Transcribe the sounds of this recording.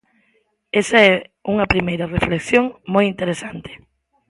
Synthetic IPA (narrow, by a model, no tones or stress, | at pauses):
esaɛuŋɐpɾimejɾɐrefleksjoŋmojint̪eɾesant̪ɪ̥